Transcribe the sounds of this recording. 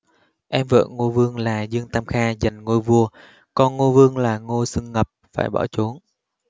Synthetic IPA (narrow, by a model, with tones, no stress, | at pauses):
ʔɛ˧mvə̰ː˧˨ŋo˧vɨ˧əŋlaː˨˩zɨ˧əŋt̪aː˧mxaː˧zə˨˩ŋŋo˧jvu˧ə | kɔ˧nŋo˧vɨ˧əŋlaː˨˩ŋo˧sɨ˧ŋːə˨˩p̚fa̰ː˧˩jɓɔ̰˧˩t͡ɕo˨˦n